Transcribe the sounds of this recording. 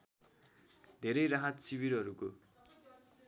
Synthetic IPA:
d̪ʱeɾʌjɾaɦʌt̪siwiɾʌɾuko

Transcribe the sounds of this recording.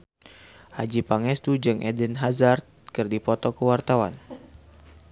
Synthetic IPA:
had͡ʒipaŋɛst̪ud͡ʒɨŋʔɛdənɦazart̪̚kɨrdipɔt̪ɔkəwart̪awan

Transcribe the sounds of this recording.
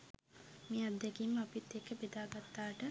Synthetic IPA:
mead̪ːɛkimːəapit̪ːekːəbed̪aːɡat̪ːaːʈə

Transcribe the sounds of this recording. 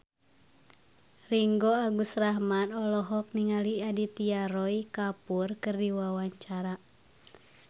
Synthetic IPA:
riŋɡɔaɡusraɦmanɔlɔɦɔk̚niŋaliadit̪iaɾɔikapurkɨrdiwawaɲt͡ʃaɾa

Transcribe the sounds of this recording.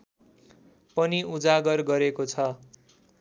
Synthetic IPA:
pʌniud͡zaɡʌrɡʌɾekot͡sʰʌ

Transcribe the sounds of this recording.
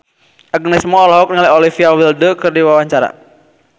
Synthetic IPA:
ʔaɡənɛsmɔɔlɔɦɔk̚niŋaliɔlifiawildəkərdiwawaɲt͡ʃaɾa̰

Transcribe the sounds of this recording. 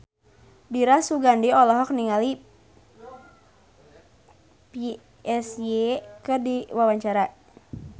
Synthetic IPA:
diɾasuɡandiɔlɔɦɔk̚niŋali | pi | ɛsjekɨrdiwawaɲt͡ʃaɾa

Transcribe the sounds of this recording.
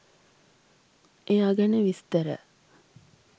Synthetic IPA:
ʔeːaɡəneʋist̪əɾə̰

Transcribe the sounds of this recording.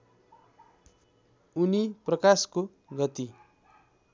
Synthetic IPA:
uniprʌkasko | ɡʌt̪i

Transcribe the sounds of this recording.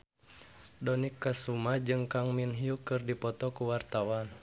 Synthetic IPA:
dɔnikːasumad͡ʒɨŋkaŋminɦiukɨrdipɔt̪ɔkuwart̪awan

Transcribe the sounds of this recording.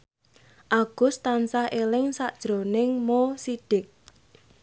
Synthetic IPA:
ʔaɡ̥ʊ̤st̪ansahelɪŋsaʔd̥ʒ̥ɾonɪŋmosiɖ̥ɪk̚

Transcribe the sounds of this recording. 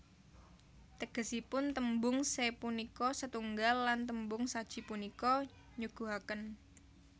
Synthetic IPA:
t̪əɡ̥ə̤sipʊnt̪əmbʊŋsepunikɔsət̪uŋɡalːant̪əmbʊŋsad̥ʒ̥i̤punikɔ | ɲuɡ̥uɦakən

